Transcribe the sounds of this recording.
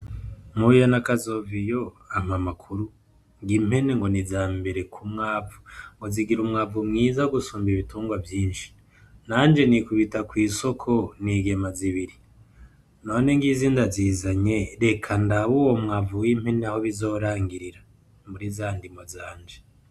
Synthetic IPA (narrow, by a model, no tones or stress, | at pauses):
mujanakazo̞vijo̞ | amamakʰuɾu | ŋɡim̥he̞ne̞ŋɡo̞nizaːmbe̞ɾekʰumŋaːvu̥ŋɡo̞ziɡiɾumŋaːvumŋiːzaoɡusuːmbiβituːŋɡwavjiːnʃi̥ | naːɲd͡ʒe̞nikuβitakwiːso̞kʰo̞niɡe̞maziβiɾi | no̞ːne̞ŋɡiziːndaziːzaɲe̞ɾe̞kʰandaβuwomŋaːvuwim̥he̞neaho̞βizo̞ːɾaːŋɡiɾiɾa | mbuɾizaːndimo̞zaːɲd͡ʒe